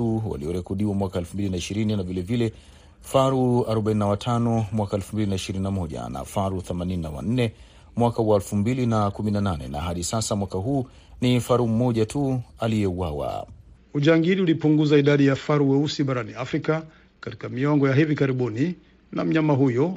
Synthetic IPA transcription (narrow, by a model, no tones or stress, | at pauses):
uwa̰liɔɾɛkɔɗiwamwakaɛlfumbilinaiʃiɾininavilɛvilɛ | faɾuaɾɔɓaininawatʰanɔmwakaɛlfumbilinaiʃiɾininamɔʄa̰na̰faɾuθɛmanininawa̰n̩nɛ | mwakawaɛlfumbilinakuminananɛ̰na̰ɦaɗisasamwakaɦuː | nifaɾum̩mɔʄatʰualijɛuwawa̰ | uʄaŋɡiɾiulipuŋɡuzaiɗaɗijafaɾuwɛusiɓaɾaniafɾika | kati̥kamiɔŋɡɔjaɦivikaɾiɓuni | na̰m̩ɲamaɦujɔ